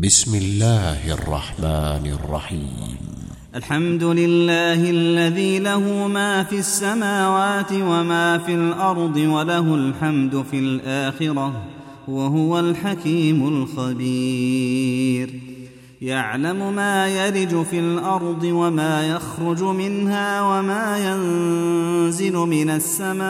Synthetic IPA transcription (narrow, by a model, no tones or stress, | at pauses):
bɪsmɪlːaːhʔɑ̰rˤːɑ̰ħmaːnɑ̰rˤːɑ̰ħiːmm | ʔalħamd̪ʊlɪlːaːhɪlːaðiːlahʊmaːfiasːamaːwaːt̪ɪwamaːfilʔɑɾˤd̪ˤɨwalahʊlħamd̪ʊfilʔaːxɪɾa | waɦʊwalħakiːmʊlxabiː | ɾ | jaʕlamʊmaːjaɾɪd͡ʒʊfilʔɑɾˤd̪ˤɨwamaːjaxɾʊd͡ʒʊmɪnhaːwamaːjan | zɪlʊmɪnasːamaː